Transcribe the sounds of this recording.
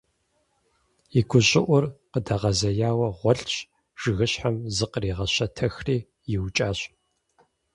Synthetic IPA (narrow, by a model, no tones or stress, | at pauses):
iɡʷʊɕʼɪʔʷʊrqədɐʁɐzɐjaːwɐʁʷɔɬɕ | ʒ̥ɨɣɨɕħamzɨqəriːʁɐɕɐtʰɐxriː | jɪwt͡ʃʼaːɕ